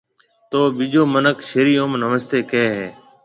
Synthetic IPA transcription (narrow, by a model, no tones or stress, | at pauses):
t̪oːɓiʄoːmənəkʃeːɾiːjõːmnəməst̪eːkeːɦeː